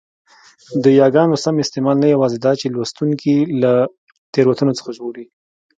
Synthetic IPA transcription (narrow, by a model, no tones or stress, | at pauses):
d̪əjɑɡɑnosamɪst̪emɑlnajawɑzed̪ɑt͡ʃelwast̪uŋkila | t̪eɾwat̪unot͡sə̥xaʒoɽi